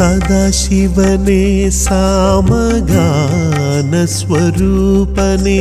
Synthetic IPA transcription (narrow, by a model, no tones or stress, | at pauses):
ad̪aːʃiʋɐnesaːmɐɡa | nɐsʋɐɾuːpɐne